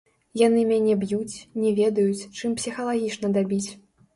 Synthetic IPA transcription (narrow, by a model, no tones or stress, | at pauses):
janɨmʲanʲɛbjut͡sʲnʲɛvʲɛd̪ɐjut͡sʲt͡ʂɨmpsʲixɐlˠaɣʲit͡ʂnɐd̪abʲit͡sʲ